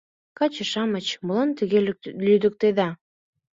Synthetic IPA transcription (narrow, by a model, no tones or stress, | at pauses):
kɑt͡ɕə̆ʃɑmət͡ɕmulɑnt̪əɣelyd̪ə̆k̚t̪eðɑ